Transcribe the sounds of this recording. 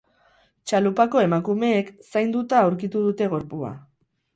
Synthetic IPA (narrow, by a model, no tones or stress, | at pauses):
t͡ʃalupako̞e̞makume̞ːksajnd̪ut̪aːwɾkit̪uð̞ut̪e̞ɣ̞o̞ɾpua̰